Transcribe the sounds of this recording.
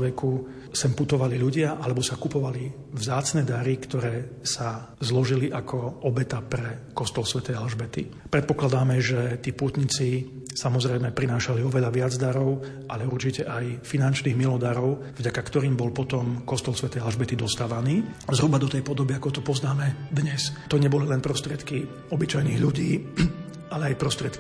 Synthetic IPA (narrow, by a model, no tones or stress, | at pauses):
ʋɛku | sɛmput̪ɔʋaliʎuɟɪaʔalɛbɔsakupɔʋali | vzaːt͡snɛd̪aɾikt̪ɔɾɛːsazlɔʒiliʔakʰɔɔbɛt̪apɾɛkɔst̪ɔlsʋɛt̪ɛjalʒbɛt̪ḭpɾɛt̪̚pɔklad̪aːmɛʒɛt̪iːput̪ɲit͡si | samɔzɾɛjmɛpɾinaːʃaliɔʋɛʎaʋɪad͡zd̪aɾɔʊ | ʔaʎɛuɾt͡ʃicɛʔajfinant͡ʃniːɣmilɔd̪aɾɔʊ | vɟakakt̪ɔɾiːmbɔlpɔt̪ɔmkɔst̪ɔlsʋɛt̪ɛːalʒbɛt̪id̪ɔst̪aːʋaniːazɾubad̪ɔt̪ɛjpɔd̪ɔbiakɔt̪ɔpɔznaːmɛd̪ɲɛst̪ɔɲɛbɔlilɛnpɾɔst̪ɾɪɛt̪ki | ɔbit͡ʃajniːɣʎuɟiː | alɛajpɾɔst̪ɾɪɛt̪ki